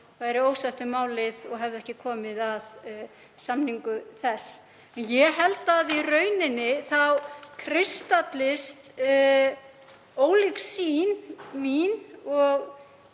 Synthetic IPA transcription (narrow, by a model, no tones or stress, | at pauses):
vajɾɪoːwsaht̪ʏmaːwlɪðɔɣɦɛvðɪɛhcɪkʰɔːmɪðað | samniŋkʏθɛsː | ɛnjɛɦɛlt̪aːðirœːɥnɪnːɪθawkʰɾɪst̪at̪lɪst̪ | oːwlɪksinminɔɣ